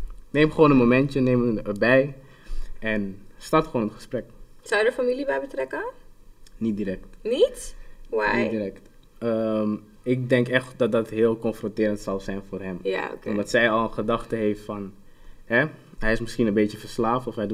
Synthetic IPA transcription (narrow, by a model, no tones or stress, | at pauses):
nejmχəʋoːnənmomɛntənejməɹbɛj | ɛnstɑrtχəʋoːnənχə̥sprɛksawjədəfamilibɛjbətrɛkə | nit̚diɾɛk̚tnitwanjitdiɾɛkt | əm | ɪk̚dɛŋkɛχtdɑt̚dɑtɦɪːlˠkɔnfrɔ̃ntɪːɾəntsɑlˠzɛjnfʊːrɦɛma̰ɔdɑtsɛjɑlˠənχədɑχtəɦejftfɑn | ɦɛ | ɦɛjɪsmɪsχinənbejtəfəɹslaːftɔfɦɛjd